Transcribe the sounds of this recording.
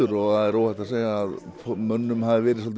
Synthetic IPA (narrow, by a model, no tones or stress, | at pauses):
ʏɾɔaðɛɾoːwhaht̪aseːjɣaːðfmœnːʏmhaðɪvɛːɾɪsɔlt̪